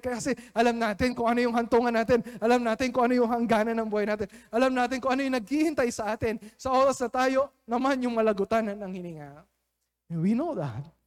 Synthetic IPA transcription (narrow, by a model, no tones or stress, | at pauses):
kɐjakɐsɛʔɐlamnaːt̪ɪnkʊŋʔɐno̞jʊŋɦɐnt̪uŋɐnːaːt̪ɪnʔɐlamnaːt̪ɪnkʊŋʔɐnojʊŋhɐŋɡaːnɐnːɐŋbuːhɐjnaːt̪ɪnʔɐlamnaːt̪ɪnkʊŋʔɐnojʊŋnɐɡ̚hihɪnt̪ajsɐʔaːt̪ɪnsɐʔo̞ːɾɐsnɐt̪aːjo̞ | nɐmanjʊŋmɐlɐɡʊt̪annɐŋhɪniːŋaʔ | winowðɐ̰t̪̚